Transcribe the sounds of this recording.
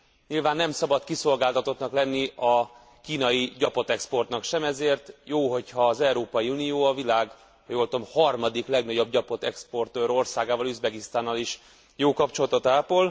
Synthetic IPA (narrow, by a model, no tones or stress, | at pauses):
ɲilvaːnːɛmsɒbɒt̪kiso̞lɡaːlt̪ɒt̪o̞t̪nɒklɛnːiɒ | kiːnɒjiɟɒpo̞t̪ɛkspo̞rt̪nɒkʃɛmɛzeːrt̪joːɦo̞chɒːzɛuɾoːpɒjiunijoːɒvilaːɡ | hɒjoːlt̪omhɒrmɒd̪iklɛɡnɒɟo̞b̚ɟɒpo̞t̪ɛkspo̞rt̪øːɾo̞rsaːɡaːvɒlyzbɛɡist̪aːnːɒliʃ | joːkɒpt͡ʃo̞lɒt̪o̞t̪aːpol